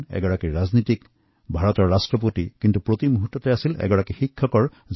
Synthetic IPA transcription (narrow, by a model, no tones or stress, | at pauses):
nɛ̰ɡɔɹakiɹaznitik | bʱaɹɔtɔɹːastɹɔp̬otikintupɹotimuɦutːɔtɛasilɛ̰ɡɔɹakixikʰːɔkɔɹ | z